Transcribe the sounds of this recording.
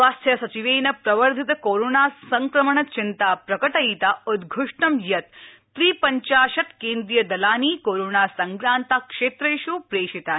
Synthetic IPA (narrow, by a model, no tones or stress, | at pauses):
ʋaːst̪ʰjɐsɐt͡ʃiʋeːnɐpɾɐʋɐɾd̪ʱit̪ɐkoːɾoːnaːsɐŋkɾɐmɐɳɐt͡ʃɪnt̪aːpɾɐkɐʈɐit̪aud̪ɡʱuʂʈɐmjɐt̪ː | ɾiːpɐɲt͡ʃaːʃɐt̪keːnd̪ɾijɐd̪ɐlaːniːkoːɾoːnaːsɐŋkɾaːnt̪akʂeːt̪ɾɐjʃuːpɾeːʂit̪aː